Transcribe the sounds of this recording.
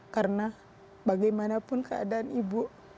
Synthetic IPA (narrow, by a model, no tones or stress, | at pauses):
karna | baɡajmanapʊnkəa̰daanibuʔ